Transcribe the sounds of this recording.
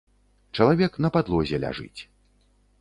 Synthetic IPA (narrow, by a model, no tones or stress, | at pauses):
t͡ʂɐlˠavʲɛknɐpad̪lˠɔzʲɛlʲa̰ʐɨ̰t͡sʲ